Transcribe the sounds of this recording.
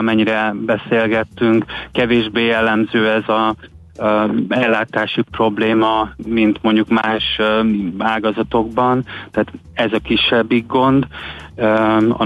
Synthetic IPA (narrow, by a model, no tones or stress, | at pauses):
mɛɲːiɾɛbɛseːlɡɛt̪ːyŋkkɛveːʒbeːjɛlːɛmzøːɛzɒ | ɛlːaːt̪aːʃipro̞bleːmɒmint̪mo̞ɲɟukmaːʃ | aːɡɒzɒt̪o̞ɡbɒnt̪ɛaːt̪ | ɛzɒkiʃːɛbːiɡɡo̞nd̪ | ɒ̰